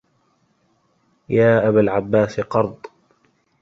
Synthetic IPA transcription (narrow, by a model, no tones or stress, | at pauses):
jaːʔabalʕabːaːsqɑɾˤd̪ˤ